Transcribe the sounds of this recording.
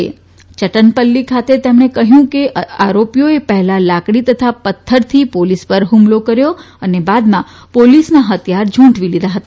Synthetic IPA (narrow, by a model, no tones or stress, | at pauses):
ḛ | t͡ʃəʈənpəlːikʰat̪et̪emɳekəɦjũkeʔaɾopijoepəɦɛlalakɽ̃it̪ət̪ʰapət̪ʰːəɾt̪ʰipolispəɾɦumlokəɾjo | ənebad̪mã | polisnaɦət̪jaɾd͡ʒʱũɳʈʋilid̪aɦət̪a